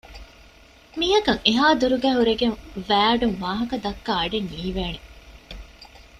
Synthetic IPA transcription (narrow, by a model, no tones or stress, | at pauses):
miːɦɐkɐŋeɦaːd̪uɾuɡæːɦuɾeɡeŋʋæːɐɖuŋʋaːɦɐkɐd̪ɐkːaːɐɖenːiːʋeːne